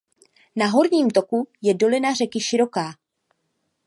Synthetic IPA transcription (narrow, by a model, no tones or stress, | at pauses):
naɦo̞ɾɲiːmt̪o̞kujɛdo̞lɪnar̝ɛkɪʃɪɾo̞kaː